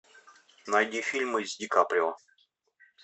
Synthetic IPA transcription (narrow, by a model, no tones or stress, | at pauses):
najdʲifʲilʲmɨzʲdʲɪkapɾʲɪo